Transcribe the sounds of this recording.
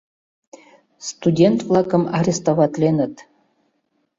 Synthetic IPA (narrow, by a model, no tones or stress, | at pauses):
st̪udʲent̪vlˠɑkə̆mɑɾʲest̪ovɑt̪lʲenə̆t̪